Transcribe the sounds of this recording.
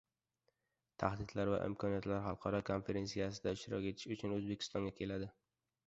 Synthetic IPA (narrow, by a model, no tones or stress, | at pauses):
t̪ʰahd̪ɪd̪laɾva̰ʔɪ̰mkʰɒnijat̪laɾɦɑlˠqʰɒɾɒkʰonfe̞ɾe̞nsijas̬ɪd̪aɪʃt̪ɪɾɒkʲe̞t̪ʰɪ̥ʃʊt͡ʃʰʊnɵzbe̞kʲʰɪ̥st̪ɒŋɡʲakʲʰe̞lad̪ɪ